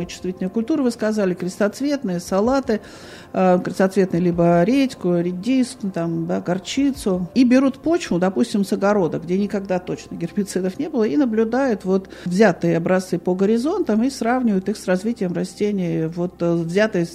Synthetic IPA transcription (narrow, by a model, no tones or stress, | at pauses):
ɨjt͡ɕʊ̥st̪vʲitʲlnəjəkʊlʲt̪uɾɨvɨskɐzalʲɪkɾʲɪst̪ɐt̪svʲe̞t̪nɨjəsɐlˠat̪ɨ | kɾʲɪst̪ɐt̪svʲe̞t̪nɨjəlʲibəɾʲetʲkʊɾʲɪdʲist̪t̪amd̪aɡɐrt͡ɕit̪sʊibʲɪɾut̪po̞t͡ɕvʊd̪ɐpusʲtʲɪmsəɡɐɾo̞d̪əɡdʲenʲɪkɐɡ̚d̪at̪ot͡ɕnəɡʲɪrpʲɪt̪sɨd̪əfnʲe̞bɨlˠəinəblʲʊd̪ajʊt̪vo̞t̪ | vzʲat̪ɨjəɐbɾɐst̪sɨpəɡəɾʲɪzo̞nt̪əmisravnʲɪvəjʊt̪ɨxsrɐzvʲitʲɪjəmrɐsʲtʲenʲɪəvo̞t̪vzʲat̪ɨjə